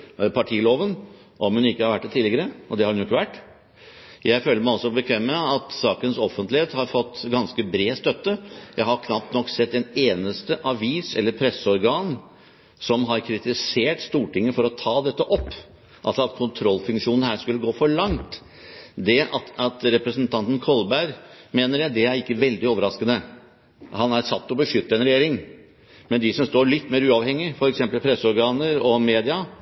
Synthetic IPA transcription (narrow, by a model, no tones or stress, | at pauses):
pʰɑʈʰiːloːʋən | ʔɔmhʉnɪkːəhɑɾʋæʈ̚d̪ɛt̪ʰɪlːɪɡəɾəʔɔd̪ɛhɑɾʉnʊɪkːəʋæʈː | jʔæɪføːləɾmæɪɔsɔbəkʰʋɛmːəɑt̪sɑːkənsɔfənt̪lɪheːt̪hɑɾfɔt̪ːɡɑnskəbɾeːst̪œt̪ːəjæɪhɑɾkʰnɑp̚t̪nɔkːsɛt̪ːɛneːnəst̪əʔɑʋiːsɛlːəɾpʰɾɛsːəɔɾɡɑːn | sɔmɦɑɾkʰɾɪt̪ɪseːʈst̪uːʈɪŋːəfɔɾɔt̪ʰɑːd̪ɛt̪ːəʔɔpː | ʔɑlsɔɑt̪kʰʊnt̪ʰɾɔlːfʉŋkʂuːnn̩hæːʂkʉlːəɡoːfɔɭɑŋt̪ | d̪ɛɑɑt̪ɾɛpɾəsənt̪ʰɑnt̪ən̩kʰɔlbæɾmeːnəɾjæɪd̪ɛæɾɪkːəʋɛld̪ɪoːʋəɾɑskənə | hɑnæɾsɑt̪ːɔbəʂʏt̪ːəɛnɾɛjeːɾɪŋ | mɛnd̪ɪsɔmst̪oːɭɪt̪ːmeːɾʉːɑʋhɛŋːɪfɔɾɛksɛmpəlpʰɾɛsːəɔɾɡɑːnəɾɔmeːd̪ɪɑ